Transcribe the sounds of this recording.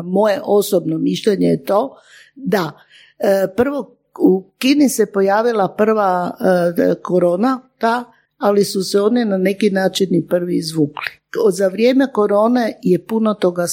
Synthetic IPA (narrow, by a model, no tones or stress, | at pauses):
mo̞jeʔo̞sobnomiʃʎeɲejet̪o̞ | d̪a | pr̩ʋo̞ | ukinisɛpo̞jaːʋilˠapr̩ʋa | ko̞ɾo̞ːnat̪aː | lisusɛo̞ːninane̞kinaːt͡ʃinipr̩ʋiizʋuːkli̥ | zaʋɾjeme̞ko̞ɾo̞ːne̞je̞punot̪o̞ɡa